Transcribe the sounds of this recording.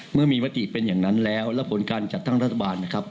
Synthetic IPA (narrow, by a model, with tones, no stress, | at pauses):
mɯ˥˩ɐmiː˧ma˦˥t̪i˨˩pe˧njaː˨˩ŋna˦˥nlɛː˦˥wlɛː˦˥wpʰo˩˦nkaː˧nt͡ɕa˨˩t̪ːa˥˩ŋɾa˦˥t̪ʰːa˧aː˧nːa˦˥kʰa˦˥p̚